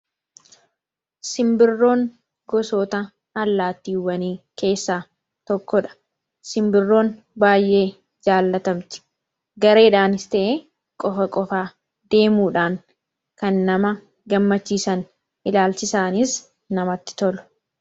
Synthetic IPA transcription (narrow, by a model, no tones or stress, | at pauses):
sɪmbɪrːo̞ːŋ | ɡɔsoːt̪ɐ | ɐlːaːt̪ːiːwɐniːke̞ːsːaː | t̪ɔkːɔᶑɐ̥ | sɪmbɪrːo̞ːn | baːjʔe̞ː | d͡ʒaːlːɐt̪ɐmt̪ɪ̥ | ɡɐɾe̞ːᶑaːnɪst̪eʔe | kʼɔfɐkʼɔfaː | d̪e̞ːmuːᶑaːŋ | kɐnːɐmɐ | ɡɐmːɐt͡ʃːiːsɐn | ʔɪlaːlt͡ʃɪsaːnɪs | nɐmɐt̪ːɪ̥t̪ɔlʊ̥